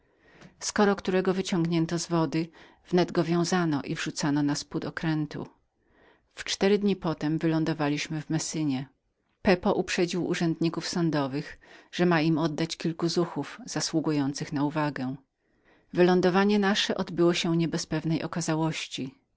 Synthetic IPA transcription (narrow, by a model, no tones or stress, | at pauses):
skɔɾɔkt̪uɾɛɡɔvɘt͡ɕɔ̃ŋɡɲɛnt̪ɔzvɔd̪ɘ | v̥nɛd̪ɡɔvʲjɔ̃w̃zanɔʔivʐut̪sanɔnasput̪ɔkɾɛnt̪ṵ | ft͡ʂt̪ɛɾɘd̪ɲipɔt̪ɛmvɘlɔnd̪ɔvalʲiɕmɘvmɛsɘɲɛ | pɛpɔʔupʂɛd͡ʑiwʔṵʐɛnd̪ɲikufsɔnd̪ɔvɘxʐ̥ɛmaimɔd̪ːat͡ɕkʲilkuzuxuvz̥aswuɡujɔnt̪sɘxnauvaɡɛ̃ | vɘlɔnd̪ɔvaɲɛnaʂɛʔɔd̪bɘwɔɕɛɲɛbɛspɛvnɛjʔɔkazawɔɕt͡ɕi